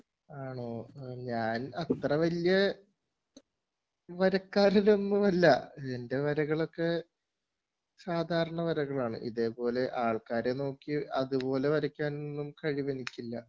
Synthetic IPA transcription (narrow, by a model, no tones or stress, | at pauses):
aːɳoːɲaːnɐt̪rɐʋɐlijɐ | ʋɐɾɐkːaːɾilo̞nːumɐlːɐ̰ende̞ʋɐɾɐɣɐɭo̞kːe̞ | saːd̪ʱaːɾɐɳɐʋɐɾɐɣɐɭaːɳɨ̰ʔḭðe̞ːpo̞ːle̞ʔaːɭkaːɾe̞no̞ːkːiɐðupo̞ːle̞ʋɐɾɐkʲːaːnnːumkɐɻiʋɐnikʲːilːɐ